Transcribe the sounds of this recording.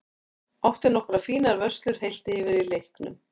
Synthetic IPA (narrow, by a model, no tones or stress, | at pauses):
awht̪ɪnɔhkɾafiːnaɾvœr̥st̪lʏɾ̥hejl̥t̪ɪɛvɪɾilejhknʏ̰m